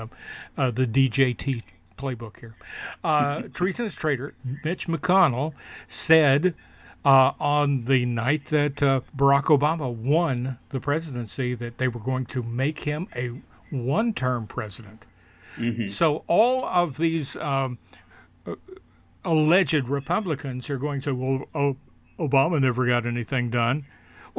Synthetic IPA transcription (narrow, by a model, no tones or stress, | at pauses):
ðɨdid͡ʒeɪtʰi | pʰl̥eɪbʊkhiɹ | tʰɹ̥izɨ̃nɨstʰɹ̥eɪɾə˞mɪt͡ʃmɨkʰɑnl̩ˠsɛd | n̩ðɨnaɪt̪̚ðɨtbə˞ɑkoʊbɑməwʌ̃nðɨpʰɹ̥ɛzɨɾɨ̃nsiðɨt̪̚ðeɪwə˞ɡoʊɪ̃ŋtʰɨmeɪkhɪ̃mɨ | wʌ̃ntʰɜ̃˞mpʰɹ̥ɛzɨɾɨ̃nt | soʊʔɔlˠʌvðiz | əlɛd͡ʒɨd̚ɹɨpʰʌblɨkɨ̃nzə˞ɡoʊɪ̃ŋtseɪwɛlˠo | oʊbɑmənɛvə˞ɡɑɾɛniθɪ̃ŋdʌ̃n